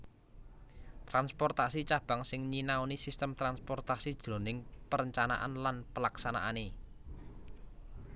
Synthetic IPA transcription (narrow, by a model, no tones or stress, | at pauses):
t̪ʔanspɔrt̪asit͡ʃab̥a̤ŋsɪŋɲinaonisist̪əmt̪ɾanspɔrt̪asid̥ʒ̥ɾo̤nɪŋpəɾəɲt͡ʃana̰ʔa̰nlanpəlaksana̰ʔane